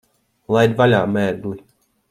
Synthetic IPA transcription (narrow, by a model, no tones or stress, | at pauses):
lˠajd̪valʲaːmæːɾd̪ulʲ